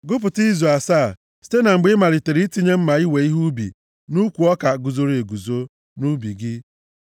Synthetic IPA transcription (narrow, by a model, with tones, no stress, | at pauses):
ɡʊ˦p̬ʊ˨ti˦zu˨a˨saː˦˨ | si̥˦te˦na˨ŋ͡m̩˨ɡ͡bɪ˦ma˨ɾɪ˨te˨ɾi˦ti˦ɲe˦m̩˦ma˨i˦we˨i˦ɦu˦bḭ˨ | nu˦kʷu˨ɔ˦ka˨ɡu˨zo˦ɾe˨ɡu˨zo˦ | nu˦bi˨ɡɪ˦